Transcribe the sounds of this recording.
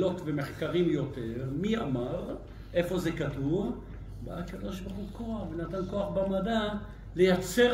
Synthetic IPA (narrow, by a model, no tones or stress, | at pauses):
lo̞t̪vemeχkaʁimjo̞teʁmia̰maʁ | ʔe̞fo̞ze̞katuv | ba̰ʔakad̪odʃbaχukoaχvenat̪anko̞aχbamada | lejat͡se̞